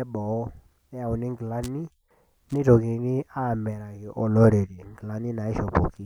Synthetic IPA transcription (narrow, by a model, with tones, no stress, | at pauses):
ɛ˦bɔ˨˦ | ɛ˦a˨u˨nɪ˦ŋɡla˦ni˦ | nɪ˦to˨ke˨nɪ˦a˦˨mɛ˨ɾa˨kɪ˨ʔɔ˨lɔ˦ɾe˨ɾi˨ŋɡla˦ni˦na˨ɪ˦ʃɔ˨po̰˨ki˦